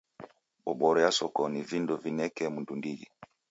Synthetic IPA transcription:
ɓɔɓɔɾɔjasɔkɔnivindɔvinɛkɛmundundijḭ

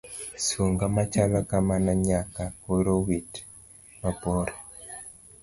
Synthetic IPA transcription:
soŋɡamat͡ʃalakamanaɲakakoɾowit | mapɔɾa

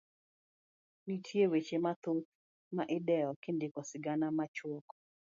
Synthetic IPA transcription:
nitʰjewet͡ʃemat̪ot̚ | maʔɪdɛɔkɪndɪkɔsɪɡanamat͡ʃok

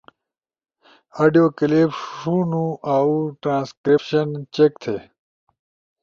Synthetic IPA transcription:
aːɖjoːkɐleːpʂuːnũaːuːʈɾãːskɾipɕɐnt͡ɕekt̪ʰeː

